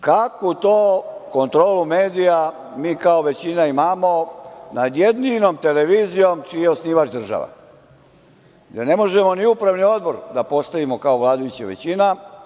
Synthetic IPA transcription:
kakut̪oːko̞nt̪ɾo̞ːlumeːd̪ija | miːkaoʋe̞t͡ɕinaimamo̞nad̪jed̪ninomt̪eleʋiːzijomt͡ʃijeosniːʋat͡ʃd̪r̩ʒa̰ʋa̰ | ɡd̪ene̞mo̞ʒemo̞niupɾaʋnio̞d̪bo̞ɾd̪apo̞st̪aʋimo̞kaoʋlˠaːd̪ajut͡ɕaʋḛt͡ɕina

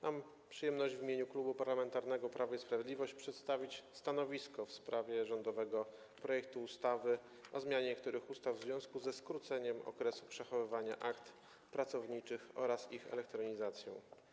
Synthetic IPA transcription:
mam | pʂɨjɛmnɔʑd͡ʑvʲimʲeɲuklubupaɾlamɛnt̪aɾnɛɡɔpɾʔavaispɾavʲɛd̪lʲivɔɕt͡ɕpʂɛt̪st̪avʲit͡ɕst̪anɔvʲiskɔfspɾavʲjɛʐɔnd̪ɔvɛɡɔ | pɾɔjɛk̚t̪uːst̪avɘ | ɔzmʲjaɲɛɲɛk̚t̪uɾɘxust̪avzvʲjɔ̃w̃skuzɛskɾut̪sɛɲɛmɔ̰kɾɛsupʂɛxɔvɘvaɲaʔakt̪ | pɾat̪sɔvɲit͡ʂɘxɔ̰ɾasixɛ̰lɛkt̪ɾɔɲizat̪sʲjɔ̰̃w̃

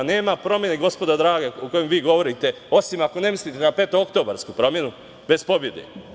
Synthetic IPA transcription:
ne̞ːmapɾo̞mjeneɡo̞spo̞d̪ad̪ɾaːɡauko̞jemʋiːɡo̞ʋo̞ɾit̪e̞ | o̞simako̞ne̞mislit̪enape̞ːt̪ookt̪o̞ːba̰ɾskupɾo̞mje̞nu | be̞spo̞bje̞d̪ḛ

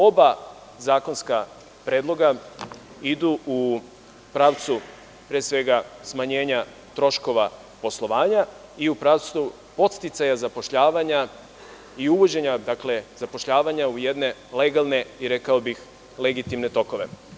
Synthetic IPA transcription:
o̞ba | zaːko̞nska | pɾed̪lˠo̞ɡa | id̪uu | pɾaːʋt̪su | pɾeːsʋe̞ɡasmaɲe̞ːɲa | t̪ɾo̞ʃko̞ʋa | po̞slˠo̞ʋaːɲa | iupɾaʋt̪su | po̞t̪st̪it̪sajazapo̞ʃʎaːʋaɲa | iuʋo̞d͡ʑe̞ɲad̪akle̞zapo̞ʃʎaːʋaɲaujed̪ne̞le̞ɡalˠne̞iɾe̞kaobix | le̞ɡit̪imnet̪o̞ko̞ʋe̞̰

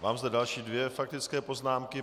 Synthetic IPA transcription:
vaːmzd̪ɛdalʃiːdvjɛfak̚t̪ɪt͡skɛːpo̞znaːmkɪ

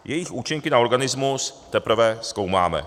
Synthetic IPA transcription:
jʔɛjɪxʔuːt͡ʃɪŋkɪnaoɾɡanɪzmust̪ɛpr̩vɛskowma̰ːmɛ̰

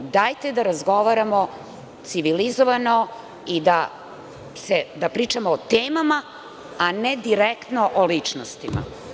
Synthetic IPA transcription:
d̪ajt̪ed̪aɾazɡo̞ʋaɾamo | t̪siʋilizoʋano̞ | id̪a | sed̪apɾiːt͡ʂamoːt̪eːmama | aned̪iɾekt̪noʔolit͡ʂnost̪ima̰

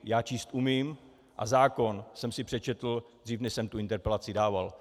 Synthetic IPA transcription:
jaːt͡ʃiːst̪ʔumiːm | ʔa̰zaːko̞nsɛmsɪpr̥ɛt͡ʃɛt̪l̩d̪riːfnɛʃsɛmt̪uɪnt̪ɛɾpɛlat͡sɪdaːval

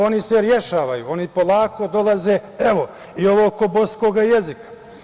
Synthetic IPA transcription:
o̞niseɾje̞ʃaːʋajṵo̞nipolˠaːko̞d̪o̞lˠaze̞ːeʋo | io̞ʋoːko̞boskoːɡajezikḁ

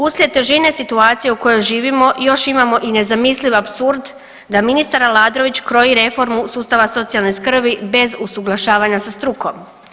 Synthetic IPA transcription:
uslʲet̪eʒine̞sit̪uaːt̪sije̞uko̞jo̞jʒiːʋimo̞jo̞ʃimamo̞ʔine̞zamisliʋapsuɾd̪ | d̪aminist̪aɾalˠaːd̪ɾo̞ʋit͡ɕkɾo̞jiɾe̞fo̞ɾmusuːst̪aʋaso̞t̪ijalneskr̩bibe̞zusuɡlˠaʃaːʋaɲasast̪ɾuko̞m

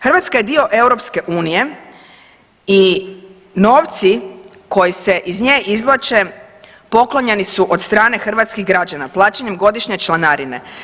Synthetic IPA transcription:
xɾrʋat̪skajed̪io̞ʔe̞wɾo̞pske̞ʔuːnije̞ | i | no̞ːʋt̪si | ko̞jiseʔizɲeːʔizlˠat͡ʃe | po̞klˠoɲenisuʔod̪st̪ɾaːne̞xr̩ʋat̪skiɦɡɾad͡ʑanaplˠaːt͡ɕeɲemɡo̞d̪iʃɲe̞t͡ʃlˠanaɾine̞̰

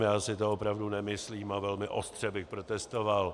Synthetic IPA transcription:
jaːsɪt̪oopɾavdunɛmɪsliːmavɛlmɪʔo̞st̪r̝̥ɛbɪxpɾo̞t̪ɛst̪oval

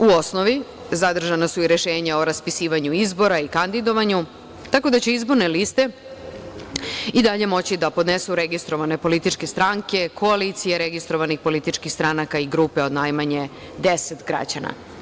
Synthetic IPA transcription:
uosnoʋi | zad̪r̩ʒanasuiɾeʃeːɲaoɾaspisiːʋaɲuizbo̞ɾaikand̪id̪o̞ʋaɲu | t̪ako̞d̪at͡ɕeizbo̞ɾne̞list̪e̞ | id̪aʎe̞mo̞t͡ɕid̪apo̞d̪nesuɾeɡist̪ɾo̞ʋane̞po̞lit̪it͡ʃke̞st̪ɾaŋke̞kʰo̞aliːt̪sijeɾeɡist̪ɾo̞ʋanixpo̞lit̪it͡ʃkixst̪ɾanakaiɡɾupe̞o̞d̪najmaɲe̞ | d̪eset̪ɡɾa̰d͡ʑana̰

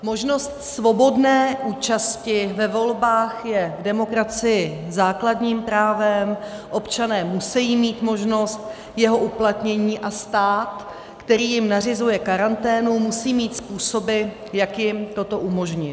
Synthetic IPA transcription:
mo̞ʒno̞st̪svo̞bo̞dnɛːʔuːt͡ʃascɪvɛvo̞lbaːxjɛvdɛmo̞kɾat͡sɪjɪzaːkladɲiːmpɾaːvɛmʔo̞pt͡ʃanɛːmusɛjiːmiːt̪mo̞ʒno̞st̪ | jɛɦo̞ʔuplat̪ɲɛɲiːʔast̪aːt̪ | kt̪ɛɾiːjɪmnarɪzujɛkaɾant̪ɛːnumusiːmiːt̪spuːso̞bɪ | jakjɪmt̪o̞t̪o̞ʔumo̞ʒɲɪ

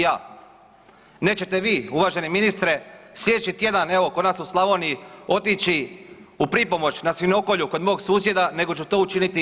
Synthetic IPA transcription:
jaː | ne̞ːt͡ɕe̞t̪e̞ʋiːuʋaːʒe̞niminist̪ɾe̞sjʲe̞d̪et͡ʃit̪je̞d̪ane̞ʋo̞ko̞d̪naːsuslˠaʋo̞ːniio̞t̪it͡ʃiupɾipo̞mo̞t͡ʃnasʋino̞ko̞ʎuko̞d̪mo̞oɡsuːsje̞d̪ane̞ɡo̞t͡ʃut̪o̞ːut͡ʃinit̪i

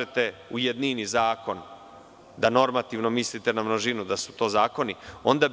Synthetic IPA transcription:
et̪e̞ | ujed̪ninizaːko̞n | d̪ano̞ɾmat̪iʋno̞mislit̪enamnoʒinud̪asu̥t̪o̞ːzaːko̞nio̞nd̪ab

